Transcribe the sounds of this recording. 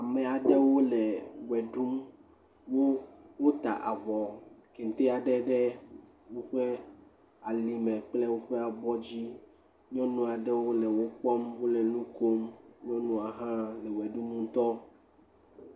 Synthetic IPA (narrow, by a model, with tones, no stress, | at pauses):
a˨me˨a˨ɖɛ˦wo˦lɛ˨wɛ˨ɖu˦m | wo˦wo˦t̪a̰˨ʔa˨vɔ˨ke˨n˨t̪e˦a˨ɖɛ˦ɖɛ˦ | wo˦ɸe˦ | a˨li˨mɛ̃˨k͡ple˦wo˦ɸe˦a˨bɔ˦d͡ʑi˦ | ɲɔ̃˦nũ˦a˨ɖɛ˦wo˦lɛ˨wo˦k͡pɔ˦mwo˦lɛ˨nũ˦ko˦mɲɔ̃˦nũ˦a˨ɦã˦lɛ˨wɛ˨ɖu˦mũ˦t̪ɔ˦